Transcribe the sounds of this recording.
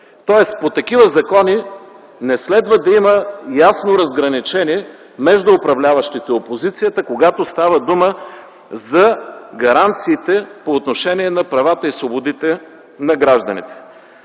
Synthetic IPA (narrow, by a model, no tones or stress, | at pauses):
t̪ɔɛspot̪ɐkivəzɐkɔni | nɛslɛd̪vəd̪ɐiməjasnoɾɐzɡɾɐnit͡ʃɛniɛ | mɛʒd̪ʊːpɾɐvlʲavɐʃt̪it̪ɛopozit̪sijət̪əkoɡat̪ost̪avəd̪umə | zɐɡɐɾant̪siːt̪ɛpoːt̪noʃɛniɛnɐpɾɐvat̪əisvobod̪it̪ɛ | nɐɡɾaʒd̪ɐnḭt̪ɛ̥